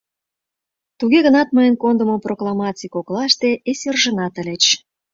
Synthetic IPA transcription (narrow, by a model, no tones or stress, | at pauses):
t̪uɣeɣə̆nɑt̪̚mɤjənkond̪ə̆moproklˠɑmɑt͡sʲikoklɑʃt̪eʔeserʒə̆nɑt̪ə̆lʲet͡ɕ